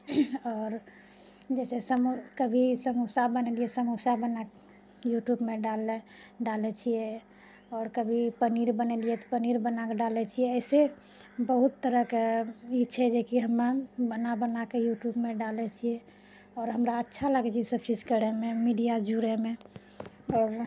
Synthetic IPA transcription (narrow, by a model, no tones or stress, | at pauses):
ɔːɾ | d͡ʒɛsesəmukəbʱisəmusabəneliɛsəmusabəna | juʈjubmeɖalɛ | ɖalɛt͡ʃʰijɛ | ɔːɾkəbʱipəniɾbənɛliɛt̪ɔ̥pəniɾbənakeɖalɛt͡ʃʰijɛɛɪse | bəɦut̪ːəɾəkit͡ʃʰɛd͡ʒekiɦəmːabənabənakejuʈjubmeɖalɛt͡ʃʰije | ɔːɾɦəmɾaətːʃʰalaɡɛt͡ʃʰisəbt͡ʃid͡ʒkəɽɛmemiɖijad͡ʒuɾɛme | ɔːɾ